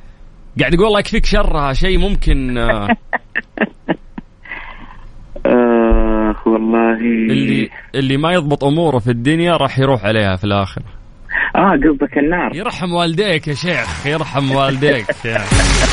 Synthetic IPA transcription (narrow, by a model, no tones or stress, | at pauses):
ɡaʕd̪jaɡullːɑːjɪkfiːkʃɑrˤːɑhaʃeːmʊmkɪn | ʔa | wɑlˤːɑːhiɪlːiʔɪlːimajɨðˤbɨt̪ˤʔʊmuːɾafid̪ːʊnjaɾˤɑːħjɾuːħʕaleːhafilʔaːxɪɾa | ʔaːɡabbakɪnːɑːɾˤjɨɾˤħamwaːlɪd̪eːkjaʃeːxjɨɾˤħamwaːld̪eːkjaʕnii